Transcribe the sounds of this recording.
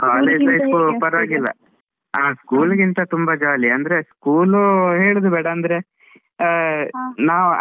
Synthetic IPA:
kaːleːd͡ʒʋɐjsupɐɾɐʋaːɡilːɐ̰ | aːskuːlɡint̪ɐt̪umbɐd͡ʒaːliɐnd̪ɐɾe̞skuːluɦeːɭud̪ubɛːɽɐːnd̪ɐɾe̞ | naːʋ

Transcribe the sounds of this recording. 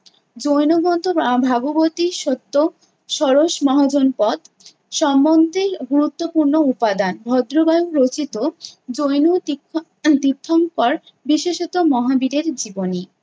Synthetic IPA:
d͡ʑojnoɡɔnt̪obʱaɡobot̪iʃot̪ːo | ʃɔɾoʃmɔɦod͡ʑonpɔt̪ | ʃɔmːond̪ʱeɾɡuɾut̪ːopuɾnoupad̪anbʱɔd̪ɾobajuɾot͡ɕit̪od͡ʑojnu | t̪it̪ʰːoŋpɔɾ | biʃeʃɔt̪omɔɦabiɾeɾd͡ʑiboni

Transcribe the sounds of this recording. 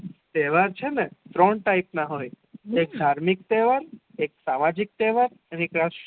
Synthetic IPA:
t̪ɛʋaɾt͡ʃʰenɛt̪ɾɔɳʈaipnaɦoj | ek̚d̪ʱaɾmik̚t̪ɛʋaɾeksamad͡ʒik̚t̪ɛʋaɾ | ənekɾaʃ

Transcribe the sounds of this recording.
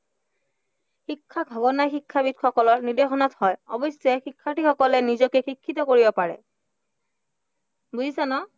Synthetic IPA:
xikʰːaɡbʱɔɡɔnajxikʰːabitxɔkɔlɔɹnidexɔnɔthɔjɔbɔsːɛxikʰːatixɔkɔlɛnizɔkɛxikʰːitɔkoɹibɔpaɹɛ̰ | buzisanɔ

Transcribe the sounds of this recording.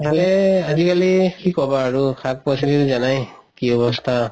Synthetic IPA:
ɦalɛazikalikikɔbaːɹukʰak̚pɔsilitzanajkiɔbɔstʰa

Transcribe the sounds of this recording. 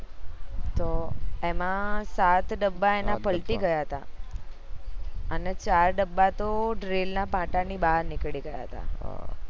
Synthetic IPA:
t̪oemãsat̪ɖəbːaenapəlʈiɡəjaɦət̪a̰ | ənet͡ʃaɾɖəbːat̪oɖɾelnapãʈanibaɾnɪkɭiɡəja̰ɦət̪a̰

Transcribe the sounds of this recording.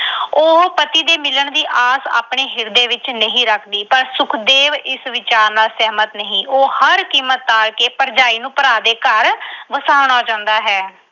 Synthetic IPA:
oːpət̪iːd̪eːmɪləɳd̪iːʔaːsa̰ːpɳeːɦɪɾd̪eːʋɪt͡ʃnəɦĩːɾəkʰd̪iːpəɾsʊkʰd̪eːʋɪsʋɪt͡ʃaːɾnaːsɛɦmət̪nəɦĩːʔoːhəɾkiːmːət̪̚ːaːɾkeːpəɾd͡ʒaːiːnũːpəɾaːd̪eːkəɾʋəsaːʋɳ̃aːd͡ʒãːnd̪aːɦɛː

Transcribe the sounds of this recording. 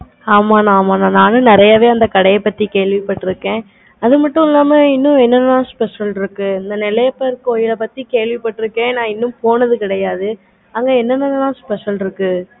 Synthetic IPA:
aːmaːnãːmaːnãːnãːnɯ̃nɪɾɐjɐʋeːɐnd̪ɐkɐɽɐjɐpːɐt̪ːikeːɭʋɪpɐʈːɪɾɯkːẽː | ɐðɯmɐʈːʊ̃ɪlːaːmɐɪnːɯ̃ɛnːɐnːãːspɛʂɐlɪɾɯkːɯɐnd̪ɐnɪlɐjɐpːɐɪɾɯkoːjɪlɐpɐt̪ːikeːɭʋɪpːɐʈːɪɾɯkːẽːnãːɪnːɯ̃mpoːnɐðɯkɪɽɐjaːðɯ | ɐŋɡeɛnːɐnːɐnːɐðãːspɛʂɐlɪɾɯkːɯ

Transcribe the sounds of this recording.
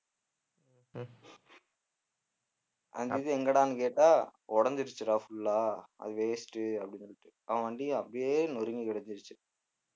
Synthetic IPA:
ɐ̰ndiðɯɛŋɡɐɽaːnɯkeːʈːaːɔɽɐɲd͡ʒɪɾɯt͡ʃːɯɾaːfʊɭːaːɐ̰ðɯʋeːsʈɯɐpːɐɽɪnsɔɭːɪʈːɯ | ɐʋɐ̃ʋɐɳɖiɐpːɐɽijeːnɔɾɯŋɡikɪɽɐɲd͡ʒɪɾɯt͡ʃːɯ

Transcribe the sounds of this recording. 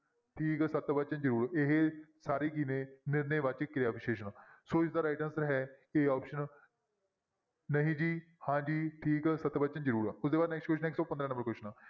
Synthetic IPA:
ʈʰiːkɛsət̪ːbət͡ʃənd͡ʒəɾuːɾeɦesaːɾiːkiːnẽːnɪɾneːʋat͡ʃkɾeaːpɪʃeːʃənsoːɪsd̪aːɾaːɪʈənsɾɦɛːeːɔːpʃən | nəɦĩːd͡ʒiː | hãːd͡ʒiːʈʰiːkɛsət̪ːbət͡ʃənd͡ʒəɾuːɾʊsd̪eːbaːd̪nɛːksʈkwɛʃʈənɪksɔːpənd̪ɾãːnəmbəɾkwɛst͡ʃnaː

